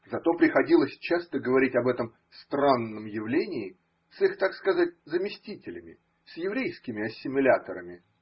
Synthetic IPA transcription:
zɐt̪o̞pɾʲɪxɐdʲilˠəsʲt͡ɕast̪əɡəvɐɾʲitʲɐbɛt̪əm | st̪ɾanːəmjɪvlʲenʲɪː | sɨxt̪akskɐzat̚ʲzəmʲɪsʲtʲitʲɪlʲɪmʲɪ̰ | sjɪvɾʲejskʲɪmʲɪɐsʲːɪmʲɪlʲat̪əɾəmʲɪ

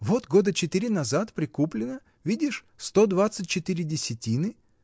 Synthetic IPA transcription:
vo̞t̪ɡo̞d̪ət͡ɕɪt̪ɨɾʲɪnɐzat̪pɾʲɪkuplʲɪnə | vʲidʲɪʂ | st̪o̞d̪vat̪sɨtʲt͡ɕːɪt̪ɨɾʲɪdʲɪsʲɪtʲinɨ

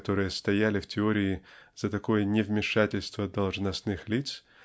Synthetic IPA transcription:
t̪o̞ɾɨjəst̪ɐjælʲɪftʲɪo̞ɾʲɪːz̥ət̪ɐko̞jənʲɪvmʲɪʂatʲɪlʲst̪vəd̪ɐlˠʐnɐsnɨxlʲit̪s

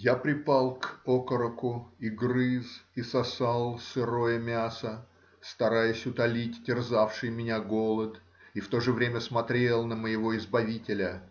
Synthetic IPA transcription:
japɾʲɪpalˠkokəɾəkʊiɡɾɨzisɐsalˠsɨɾo̞jəmʲasə | st̪ɐɾajʊsʲʊt̪ɐlʲitʲtʲɪrzafʂɨjmʲɪnʲaɡo̞lˠət̪ | ift̪o̞ʐɨvɾʲemʲəsmɐt̪ɾʲe̞lˠnəməjɪvo̞ɪzbɐvʲitʲɪlʲə

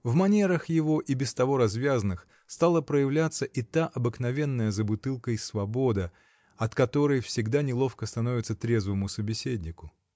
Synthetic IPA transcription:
vmɐnʲe̞ɾəxjɪvo̞ʔibʲɪst̪ɐvo̞ɾɐzvʲazənɨx | st̪alˠəpɾəjɪvlʲat̪səʔɪt̪aʔɐbɨknɐvʲe̞nːəjəzəbʊt̪ɨlˠkəjsvɐbo̞d̪ɨ | ɐt̪kɐt̪o̞ɾəjfsʲɪɡd̪anʲɪlˠo̞fkəst̪ɐno̞vʲɪt̪sət̪ɾʲezvɨmʊsəbʲɪsʲedʲnʲɪkʊ

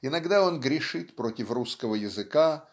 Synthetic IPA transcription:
ɪnɐɡd̪ao̞nɡɾʲɪʂɨt̪pɾo̞tʲɪfruskəvəjɪzɨka

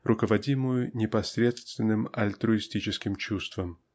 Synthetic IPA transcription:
rʔʊkəvɐdʲimʊjʊnʲɪpɐsʲɾʲe̞t̪st̪vʲɪnːɨmɐlʲt̪ɾʊɪsʲtʲit͡ɕɪskʲɪmt͡ɕust̪vəm

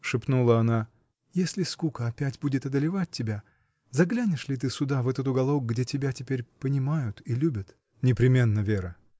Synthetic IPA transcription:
ʂɨpnulˠəɐna | jesʲlʲɪskukəɐpʲætʲbudʲɪt̪ɐd̪əlʲɪvat̚ʲtʲːɪbʲa | zɐɡlʲænʲɪʂlʲɪt̪̬ɨsʊd̪avɛt̪ət̪ʊɡɐlˠok̚ɡdʲetʲɪbʲætʲɪpʲeɾʲpənʲɪmajʊt̪ilʲubʲət̪ | nʲɪpɾʲɪmʲe̞nːəvʲeɾə

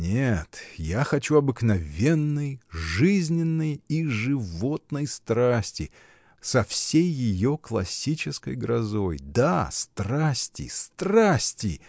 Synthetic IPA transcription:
nʲet̪jaxɐt͡ɕuɐbɨknɐvʲe̞nːɨjʐɨzʲnʲɪnːɨjiʐɨvo̞t̪̚nəjst̪ɾasʲtʲɪ | sɐfsʲejːɪjo̞klˠɐ̰sʲːit͡ɕɪskə̰jɡɾɐzo̞jd̪ast̪rasʲtʲɪ̰st̪rasʲtʲɪ

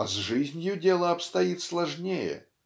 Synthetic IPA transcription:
ɐzʐɨzʲnʲjʊdʲelˠəɐpst̪ɐjit̪slˠɐʐnʲejɛ̰

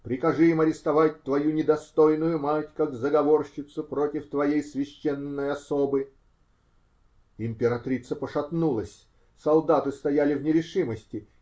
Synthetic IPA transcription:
pɾʲɪkɐʐɨɪmɐɾʲɪst̪ɐvat̚ʲt̪vɐjunʲɪd̪ɐst̪ojnʊjʊmatʲkakzəɡɐvorɕɪt̪sʊpɾo̞tʲɪft̪vɐjejsvʲɪɕːɛnːəjɐsobɨ | ɪmʲpʲɪɾɐt̪ɾʲit̪səpəʂɐt̪nulˠəsʲ | sɐlˠd̪at̪ɨst̪ɐjalʲɪvnʲɪɾʲɪʂɨməsʲtʲɪ

